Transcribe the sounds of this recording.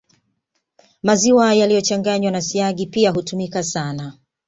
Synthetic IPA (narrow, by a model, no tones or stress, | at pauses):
maziwajalijɔt͡ʃaŋɡaɲwanasiaɠipiaɦutumikasana